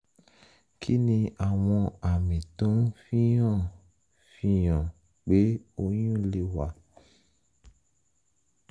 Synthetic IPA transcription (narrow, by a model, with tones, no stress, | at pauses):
kʰi˦nĩ˧a˨w̃ɔ̃˧a˨mẽ˨tõ˦fĩ˦jɔ̃˦˨ | fĩ˧˦jɔ̃˨ | ɡ͡be˦o˦jũ˦˨le˧wa˨